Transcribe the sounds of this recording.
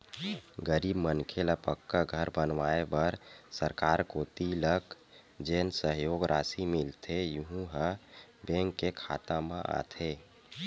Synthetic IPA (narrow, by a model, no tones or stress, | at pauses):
ɡəɾibmənkʰeləpəkːaɡʱəɾbənʋaebəɾsəɾkaɾkot̪ilək | d͡ʒeːnsəɦjoɡɾʔasimilt̪ʰejuɦũɦə̃beŋkːekʰa̰t̪ãmẽʔa̰t̪ʰe